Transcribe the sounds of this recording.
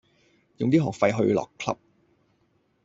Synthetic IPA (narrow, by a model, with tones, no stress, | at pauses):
jʊ˨ŋt̪iː˥ɦɔː˨˩k̚fɐ˧jɦɵ˧ɥlɔ̰ː˨˩kʰlɐ˥p̚